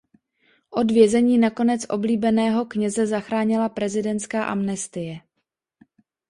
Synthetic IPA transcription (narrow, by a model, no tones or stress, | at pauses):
ʔo̞dvjɛzɛɲiːnako̞nɛt͡sʔo̞bliːbɛnɛːɦo̞kɲɛzɛzaxɾaːɲɪlapɾɛzɪdɛnt̪skaːʔa̰mnɛst̪ɪjɛ